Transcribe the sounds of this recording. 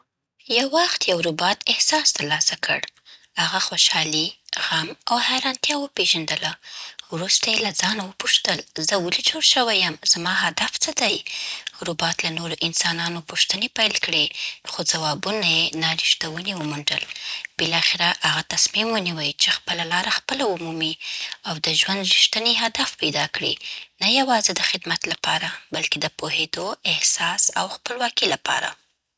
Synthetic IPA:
jawːaxt̪jawɾʊbɑt̪ɪhsɑsd̪əlɑsakʰə̰ɽ | haɣaxoʃɑliɣamawhajɾɑnt̪jɑwəpeʒand̪əlawɾust̪ajelad͡zɑnawəpuʃt̪əlzəwəlit͡ʃoɽʃəwajəmz̥amɑɦad̪aft͡səd̪ajɾʊbɑt̪lanoɾoʔɪnsɑnɑnopuʃt̪ənepajlkɽexod͡zawɑbunajenɑɾiʃt̪awəniwəmuɳɖə̰lb̥ɪlɑxɪɾaʔaɣat̪asmimwəniwəjt͡ʃexpəlalɑɾaxpəlaumumiawd̪əʒwand̪ɾiʃt̪əneɦad̪afpajd̪ɑkɽḭnajawɑzed̪əxɪd̪mat̪lapɑɾabalked̪əpoɦed̪oɪhsɑsawxpəlwɑkilapɑ̰ɾa̰

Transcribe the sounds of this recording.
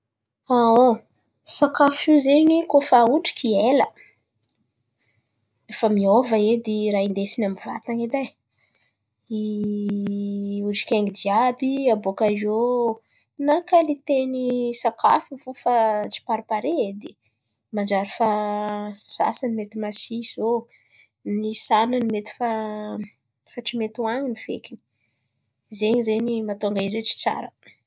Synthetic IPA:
ao | sakafizeɲikofauʈ͡ʂi̥kʲielə | efəmiovəed̪iɾaind̪esinambiva̰t̪aŋed̪aj | i | uʈ͡ʂi̥kʲeŋɡid̪iabiabokaizo | nakalit̪enisakʰa̰fivufat͡si̥paɾipaɾed̪e | mand͡ʒaɾifa | z̥a̰sanimet̪imasiz̥o | nisananimet̪i̥fa | faʈ͡ʂimet̪uaɲiniv̥ḛkʲini̥ | zeɲizeɲimat̪oaŋɡaizet͡si̥t͡sa̰ɾə

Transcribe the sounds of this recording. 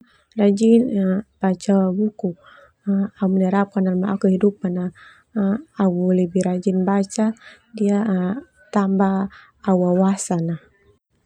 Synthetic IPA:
rad͡ʒinb̥at͡ʃabuku | aumənaɾap̚kanalmaʔakuhidup̚ana | awulɛbiɾad͡ʒinbat͡ʃa | dia | t̪ambaː | wawasanah

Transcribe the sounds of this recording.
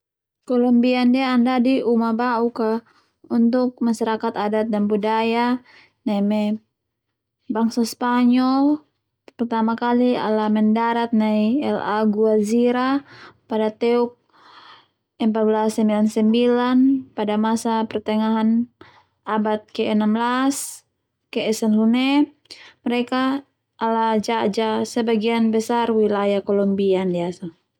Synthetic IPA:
kolɔmbiandiaːndadiʔumabauka | unt̪ʊk̚maʃaɾakat̪adat̪̚danbudaja | namɛ | baŋsaspaɲɔl | pərt̪amakalia̰laməndaɾat̪̚najɛlaɡuaziɾapadat̪ɛuk̚ | ɛmpat̪̚blasːəmbilansɛmbilanpadamasapərt̪ɛŋaɦan | abat̪̚kɛːnamblas | kɛːsanlunɛ | məɾɛka | ʔːlad͡ʒad͡ʒasəbaɡianbəsarwilajahkɔlɔmbiandiasa

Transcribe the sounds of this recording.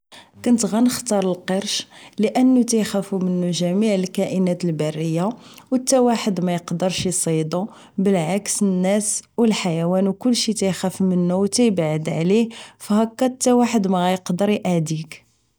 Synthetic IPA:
kʊnt̪ɣænəxt̪ɑɾˤəlqəɾˤʃləʔənːut̪æjxæfumənːuʒæmiʕəlkæʔənæt̪əlbærːəjːawət̪ːæwaħəd̪mæjəqd̪əɾˤʃisˤid̪u | bəlʕaksənːæswəlħajæwænwkʊlːʃit̪æjxæfmənːuwt̪æjəbʕəd̪ʕlihfhækːæt̪ːæwaħəd̪mæɣæjəqd̪əɾjʔaʕd̪ik

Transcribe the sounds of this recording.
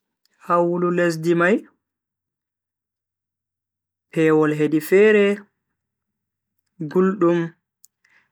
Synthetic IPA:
hawulules̬dimaj | pɛːwɔlɦedifɛːɾɛ | ɡulɗum

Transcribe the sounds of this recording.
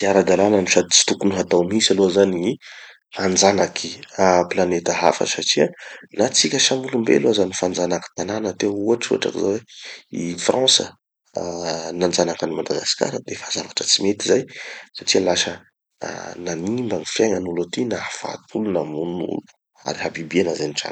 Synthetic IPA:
t̪iaɾad̪alanəniʃad̪it͡si̥t̪ukunuɦat̪awmisalozanii | fand͡zanakʰiaplanet̪əɦa̰fə̰saʈ͡ʂianat͡sikʲəsamulumbḛalozanifand͡zanaki̥t̪ananat̪euaʈ͡ʂua̰ʈ͡ʂa̰kizaweifrɑ̃sə̰ | nand͡zanakanimad̪aɡasi̥ka̰ɾəd̪efazavaʈ͡ʂət͡simet̪izajsaʈ͡ʂialasə̰ | nanimbanifjeŋənulat̪inafa̰t̪ʰulunamunṵlu̥ | a̰ɾiɦabibenazaniʈ͡ʂa̰n

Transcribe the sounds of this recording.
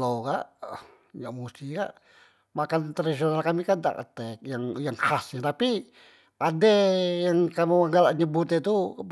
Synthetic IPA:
lokaʔ | ɲaʔmust̪ihka̰ʔ | makant̪ɾadis̬ionalkamikanda̰ʔə̰t̪ɛk̚jaŋjaŋhasɲat̪api | ʔadɛjaŋkamiaŋɡalaʔɲəbut̪ɛt̪u

